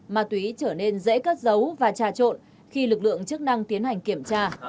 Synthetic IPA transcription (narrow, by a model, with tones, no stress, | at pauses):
maː˨˩t̪wi˨˦t͡ɕəː˧˩ne˧nzḛ˧˥kə˦˥t̚zə˨˦wvaː˨˩t͡ɕaː˧˩t͡ɕo̰˧˨n | xi˧lɨ˨˩k̚lɨ̰˧˨əŋt͡ɕɨ˦˥ək̚na˧ŋt̪i˨˦ənha˨˩jŋ̟ki˧˩əmt͡ɕaː˧